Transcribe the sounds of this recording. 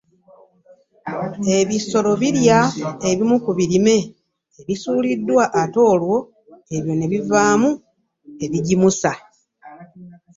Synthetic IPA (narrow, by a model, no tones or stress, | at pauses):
e̞βiso̞lo̞βiɾjae̞βimukuβiɾime̞ː | βisuːlidːwaʔːto̞ːlwo̞ | e̞βjo̞ne̞βivaːmu | e̞βiɟimusa